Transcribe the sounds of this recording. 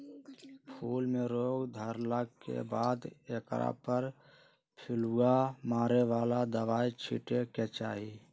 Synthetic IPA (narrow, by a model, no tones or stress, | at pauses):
pʰuːlmẽɾoːɡd̪ʱəɾlaɡkḛbaːd̪eːkɾa̰pəɾ | pʰɪluamaːɾeʋaːlad̪əʋaːit͡ʃʰḭʈeket͡ʃaːɦi